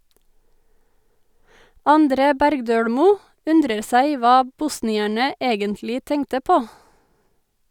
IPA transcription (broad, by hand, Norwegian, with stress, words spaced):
ɑnˈdɾeː ˈbæɾɡdøːɽmuː ˈʉndɾəɾ ˈsæɪ ˈʋɑː ˈbʊsnɪæɳə ˈeːɡəntlɪ ˈtɛŋtə ˈpoː